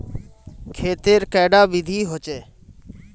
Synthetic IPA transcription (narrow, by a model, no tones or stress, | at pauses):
kʰeːt̪eːɾkɛːɖaːʋɪd̪ʱiːɦoːt͡ʃeː